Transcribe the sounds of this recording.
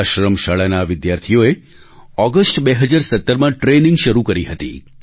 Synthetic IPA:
ʃɾəmʃaɭanaʋɪd̪jaɾt̪ʰijoe | ɔɡəsʈbeɦəd͡ʒaɾsət̪ːəɾmãʈɾenĩŋɡʃəɾukəɾiɦət̪ḭ

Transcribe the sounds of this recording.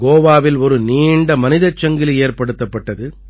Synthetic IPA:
ɡoːʋaːʋɪlɔɾɯniːɳɖɐmɐnɪðɐt͡ʃːɐŋɡɪleːrpɐɽɯt̪ːɐpːɐʈːɐðɯ

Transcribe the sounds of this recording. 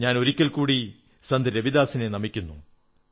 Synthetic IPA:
ɲaːno̞ɾikʲːɐlkuːɽi | sɐnd̪ɐɾebiðaːsine̞nɐmikʲːunːṵ

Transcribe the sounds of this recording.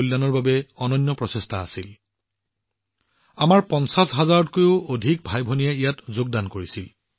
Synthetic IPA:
ulːanɔɹbabɛɔnɔnːɔpɹɔsestʰa̰ːsil | amaɹpɔnsasɦazaɹɔdkojʊodʱik̚bʱajbʱonijaijatzoɡ̚dankoɹisil

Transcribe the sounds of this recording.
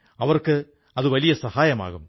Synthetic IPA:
ɐʋɐrkɨ | ɐðɨʋɐlijɐsɐhaːjɐma̰ːɣum

